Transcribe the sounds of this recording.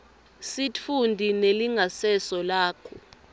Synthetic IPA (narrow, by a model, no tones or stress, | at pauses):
sit͡fʰundʱineliŋʱasɛsɔlaːkʰɔ